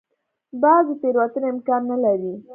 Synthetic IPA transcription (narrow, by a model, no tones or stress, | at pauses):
bɑzepeɾwat̪ənaɪmkɑɾnalaɾi